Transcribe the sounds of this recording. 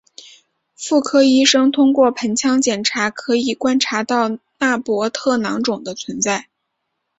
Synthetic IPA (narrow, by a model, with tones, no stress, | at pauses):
fu˥˩kʰɤ˥i˥ʂɤ˥ŋt̪ʰʊ˥ŋkwɔ˥˩pʰə˧˥nt͡ɕʰjɑ˥ŋt͡ɕjɛ˨˩nʈ͡ʂʰa˧˥kʰɤ˧˥i˨˩kwa˥nʈ͡ʂʰa˧˥t̪ɑ˥˧ʊna˥˩pwɔ˧˥t̪ʰɤ˥˩nɑ˧˥ŋʈ͡ʂʊ˨˩ŋd̪ə˦t͡sʰwə˧˥nt͡sa˥˩ɪ